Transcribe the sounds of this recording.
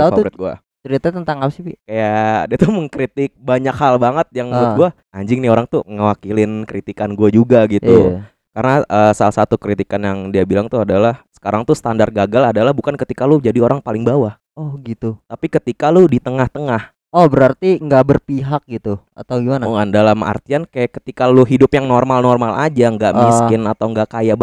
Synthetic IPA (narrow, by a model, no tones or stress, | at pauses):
aufaɾɪt̪̚ɡua̰ | t͡ʃəɾit̪at̪ənt̪aŋapsipikajadiat̪uməŋkɾit̪ɪk̚baɲakhalbaŋət̪̚jaŋmat̪̚ɡua | aɲd͡ʒɪŋnɪoɾaŋt̪uŋəwakilɪnkəɾit̪ikanɡuad͡ʒuɡaɡit̪u | karənaʔəsalahsat̪ukɾit̪ikanjaŋdiabilaŋt̪uadalahsə̥kaɾaŋt̪usə̥t̪andart̪̚ɡaɡaladalahbukankət̪ikalʊd͡ʒadioɾaŋpalɪŋbawah | ɔhɡit̪ut̪apikət̪ikalʊdit̪əŋaht̪əŋah | ɔhbəɾart̪iŋɡaʔbərpiɦak̚ɡit̪u | a̰t̪awɡimanaŋandalama̰rt̪iankajaʔkə̥t̪ikalʊɦidʊpjaŋnormalnormalʔa̰d͡ʒaŋɡaʔmiskɪnat̪awŋɡaʔkajab